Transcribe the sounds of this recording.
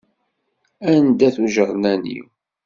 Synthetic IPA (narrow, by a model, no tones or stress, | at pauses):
ænd̪æθuʒəɾˤnænḭw